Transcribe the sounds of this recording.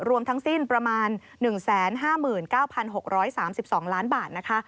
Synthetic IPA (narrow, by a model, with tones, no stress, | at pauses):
ɾu˧əmt̪ʰa˦˥ŋsi˥˩npɾa˧maː˧nːɯ˨˩ŋsɛː˩˦nɦaː˥˩mɯː˨˩nkaː˥˩wpʰa˧nɦo˨˩k̚ɾɔː˦˥jsaː˩˦msi˨˩p̚sɔː˩˦ŋlaː˦˥nbaː˨˩t̪̚na˦˥kʰa˦˥ʔ